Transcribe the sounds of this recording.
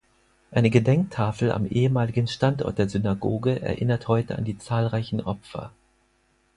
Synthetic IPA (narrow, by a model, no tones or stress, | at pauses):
ʔaɪnəɡədɛŋk̚tʰaːfl̩a̰mʔeːəmaːlɪɡən̩ʃtantʔɔ̰ɐt̚d̥eːɐzynaɡoːɡəʔɛ̰ɐʔɪnɐthɔʏtəa̰ndiːt͡saːlʁaɪçn̩ʔɔpfɐ̰